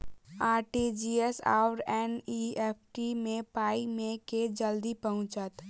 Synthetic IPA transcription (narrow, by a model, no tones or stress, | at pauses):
aːɾʈid͡ʒiesa̰ʊɾɛniep̚ʰʈimẽpaːimẽked͡ʒəld̪ipəɦʊ̃t͡ʃət̪